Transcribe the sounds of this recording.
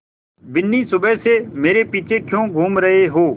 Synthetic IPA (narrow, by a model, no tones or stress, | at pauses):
bɪnːiːsʊbɛseːmeːɾeːpiːt͡ʃʰekʰjõːɡʱuːmɾəɦeɦoː